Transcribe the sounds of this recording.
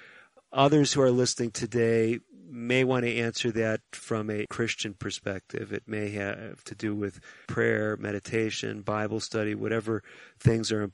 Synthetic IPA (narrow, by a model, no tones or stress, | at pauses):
ʔʌðə˞z̥huə˞lɪsnɪ̃ŋtʰɨdeɪmeɪwɑ̃ɾ̃ɨæ̃nsə˞ðɨtfɹʌ̃mɨkʰɹ̥ɪst͡ʃɨ̃npʰə˞spɛk̚tʰɪ̰vɨ̰t̚meɪɨ̰v̥tʰɨdɨwɪð̥pʰɹ̥ɛɹmɛ̰ɾɨtʰeɪʃɨ̰̃nbaɪbl̩ˠstʌɾiwʌ̰ɾɛvə˞θɪ̃ŋzə˞ɨ̃m